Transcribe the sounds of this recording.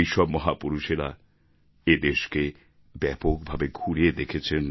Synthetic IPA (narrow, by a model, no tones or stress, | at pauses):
jʃɔbmɔɦapuɾuʃeɾa | ed̪eʃke | bɛpokbʱabeɡʱuɽied̪ekʰet͡ɕʰen